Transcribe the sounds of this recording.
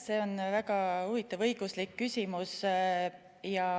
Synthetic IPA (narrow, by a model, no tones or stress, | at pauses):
se̞ːo̞nvæɡɑuvit̪ːˑɑvɤjɡ̥uslikːysʲimus | jɑ